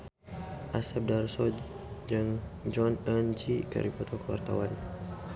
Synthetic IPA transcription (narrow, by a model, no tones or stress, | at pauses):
ʔasɛp̚darsɔ | d͡ʒaŋd͡ʒɔnənd͡ʒikə̰ɾipɔt̪ʰɔkəwa̰rt̪a̰wan